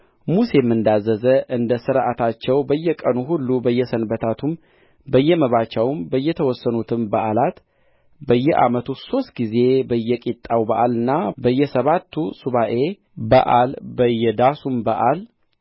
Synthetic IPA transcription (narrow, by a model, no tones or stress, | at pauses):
muse̞mːɨnd̪azːəzəʔɨnd̪əsɨɾʔat̪ʰat͡ʃːɛwbəjːɛkʼənuɦulːubəjːɛsənbət̪ʰat̪ʰum | bəjːɛməβat͡ʃawmbəjːɛt̪ʰəwɔsːənut̪ʰɨmbəʔalat̪ | bəjːɛʔa̰mət̪ʰuso̞st̪̚ɡize̞bəjːɛkʼit̪ʼːawbəʔalɨnːabəjːɛsəβat̪ʰːusuβaʔe̞ | bə̰ʔalbəjːɛd̪asumbəʔal